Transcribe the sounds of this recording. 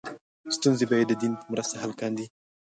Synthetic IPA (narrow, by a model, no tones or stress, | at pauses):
st̪unzebajed̪ːəd̪inpəmɾast̪aɦalkɑnd̪i